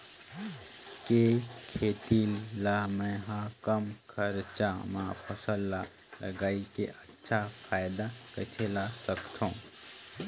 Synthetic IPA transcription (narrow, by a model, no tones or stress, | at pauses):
kekʰet̪ilːaməɦãkəmkʰəɾt͡ʃamãpʰəsəlːa | lə̰ɡaikḛʔətːʃʰapʰajd̪akət͡ʃʰelasəkt̪ʰũ